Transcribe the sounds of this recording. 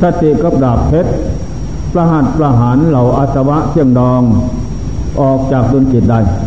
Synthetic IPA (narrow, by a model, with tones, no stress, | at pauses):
sa˧t̪ːi˨˩ʔka˧˥p̚daː˨˩pʰːe˦˥t̪̚ | pla˧ɦa˨˩t̪̚pɾa˧ɦaː˨˦nla˨˩wʔa˧t̪̚sa˧wa˦˥ʔsʰi˧˥˩əŋdɔː˧ŋ | ʔɔː˨˩k̚t͡ɕaː˨˩k̚do˧nt͡ɕi˨˩t̪̚da˧˩j